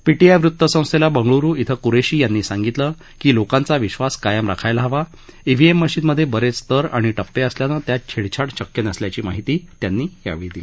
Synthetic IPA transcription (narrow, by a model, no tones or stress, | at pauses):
piʈiajʋɾut̪ːəsə̃w̃st̪elabəŋɡɭuɾuːit̪ʰəkuɾeɕiːjanːiːsãŋɡit̪lə | kiːlokãnt͡saʋiɕʋaskajəmɾakʰajlaɦəʋa | iʋ̤ʱiemːəɕiːnməd̪ʱːjebəɾet͡st̪əɾa̰ɽ̃iʈəpːeəsljanət̪jat͡ɕʰeɽt͡ɕʰaʈt͡ɕəkjənəsljat͡ɕiːmaɦit̪iːt̪janːiːja̰ʋid̪i